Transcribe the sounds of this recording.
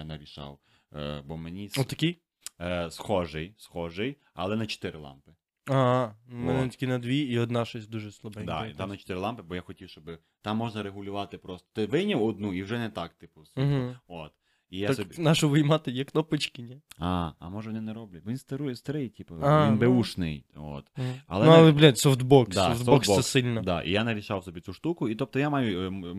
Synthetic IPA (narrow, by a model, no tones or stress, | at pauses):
nɐɾʲiʃɑ̰w | bɔmenʲisɔt̪ɐkʲi | sxɔʒɪjsxɔʒɪj | ɐ̰lˠɛnɐt͡ʃo̥t̪ɪɾɪlˠɑ̰mpɪ | ɑnmɛnɛt̪ʲkʲinɐd̪ʋʲiːɔd̪nɑʃɔsʲd̪uʒɛslˠɐbɛnʲd̪ɑ̰it̪ɑmnɐt͡ʃɔ̥t̪ɪɾɪlˠɑmpɪbɔjaxɔtʲiwʃt͡ʃɔbɪ | t̪ɑmːɔʒnɐɾeɦʊlʲʊʋɑt̪ɪpɾɔst̪ɔ̥t̪ɪʋɪnʲɐwɔd̪nuiwʒɛnɛt̪ɑkt̪ɪpʊsʋiɦ̩ot̪ | ijaak̪bnɑʃʊʋɪjmɑt̪ɪjɛknɔpɪt͡ʃkʲɪnʲɛaɐ̰mɔʒɛʋɔnɪnɛɾɔblʲɐt̚ʲbɔʋʲinst̪ɐɾujɛst̪ɐɾɪjtʲipɐainbeuʃnɪ̰jo̰t̪ɐ̰lˠɛlˠɛblʲat̪sɔft̪bɔksd̪aɔfd̪b̪ɔkssɛsɪlʲnɐd̪a̰ʔḭjanɐɾʲiʃawsɔbʲit͡sʲuʃt̪ukʊit̪ɔp̚t̪ɔjamɑjʊ